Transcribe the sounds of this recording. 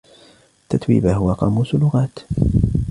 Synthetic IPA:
t̪ːat̪wḭːbaɦʊwaqɑ̰muːslːʊɣaːt̪

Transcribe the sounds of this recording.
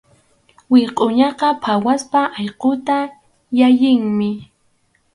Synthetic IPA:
wɪqʼʊɲɑqɑpʰawaspaʔɑjqot̪a | jajɪŋmɪ

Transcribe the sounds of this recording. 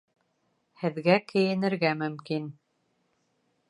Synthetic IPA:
hɘ̆ðɡækɘ̆jɘ̆nɘ̆ɾɡæmɵ̆mkin

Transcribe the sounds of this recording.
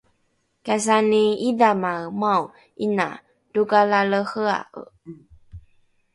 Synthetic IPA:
kas̬aniidamamaw | ʔina̰ | d̥ukalaləxəa̰ʔə̰

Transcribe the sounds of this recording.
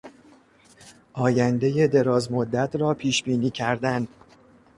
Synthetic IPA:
ʔɒːjænd̪e̞je̞d̪e̞ɾɒːzmod̪ːæt̪ʰɾɒːpʰiːʃb̥iːniːcʰæɾd̪æn

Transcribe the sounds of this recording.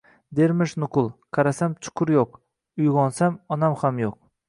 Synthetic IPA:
d̪eɾmɪʃnʊqʰʊlˠqʰɑɾasamt͡ʃʰʊ̥kʰʊɾjoq | ʊjʁɒnsamɒnamhamjoq̚

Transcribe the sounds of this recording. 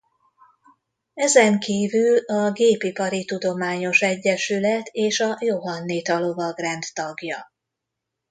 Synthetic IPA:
ɛzɛŋkiːvylɒɡeːpipɒɾit̪ud̪o̞maːɲo̞ʃɛɟːɛʃylɛt̪ʰeːʃɒjoɦɒnːiːt̪ɒlo̞vɒɡrɛnt̪ːɒɡjɒ

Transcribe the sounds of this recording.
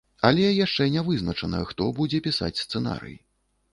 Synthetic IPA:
ɐlʲɛjaʂt͡ʂɛnʲɛvɨznɐt͡ʂɐnɐ̰xt̪ɔbud͡zʲɛpʲisa̰t͡sʲst̪sɛna̰ɾɨ̰j

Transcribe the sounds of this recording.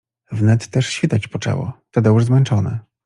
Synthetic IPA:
vnɛt̪ːɛʂɕfʲit̪at͡ɕpɔt͡ʂɛ̰wɔ̰t̪ɔd̪ɛuʐzmɛnt͡ʂɔnɛ̰

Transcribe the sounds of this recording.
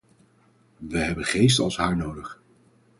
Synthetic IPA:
ʋəɦɛbənχejstəɑ̰lˠsɦaːɹnowdəχ

